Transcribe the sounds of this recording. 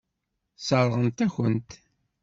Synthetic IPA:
səɾˤʁənt̪æçənt̪

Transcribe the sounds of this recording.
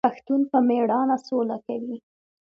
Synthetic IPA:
axt̪unpəmeɽɑnasolakawi

